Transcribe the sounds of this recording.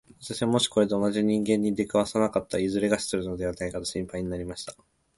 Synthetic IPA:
βat̪aɕiβamo̞ɕi̥ko̞ɾe̞d̪e̞o̞naʑiɲ̟ĩŋɡẽ̞ɲ̟ːid̪e̞kaβasanakat̪ːaizɨɾe̞ɡaɕi̥t͡sɨɾɯ̟no̞d̪e̞βanaikat̪oɕĩmpaiɲ̟inaɾʲimaɕi̥t̪ḁ

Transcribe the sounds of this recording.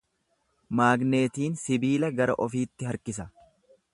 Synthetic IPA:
maːɡneːt̪iːnsɪbiːlɐɡɐɾɐ̰ʔɔfiːt̪ːɪɦɐɾkɪs̬ɐ

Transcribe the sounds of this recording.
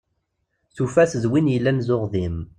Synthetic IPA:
θufæszwinjəlːænzʊʁðim

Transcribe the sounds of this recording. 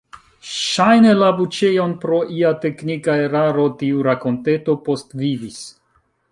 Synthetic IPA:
ʃajne̞labut͡ʃejo̞npɾo̞ʔiate̞knikaeɾaɾo̞tiuɾako̞nte̞to̞po̞stvivis

